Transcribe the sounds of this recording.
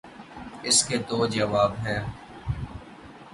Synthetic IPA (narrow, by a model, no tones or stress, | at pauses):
ɪsket̪oːd͡ʒəʋaːbɦɛː